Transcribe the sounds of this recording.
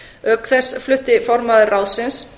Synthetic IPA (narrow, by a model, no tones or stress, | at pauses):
œkθɛsflʏht̪ɪfɔɾmaðɪraːwsɪns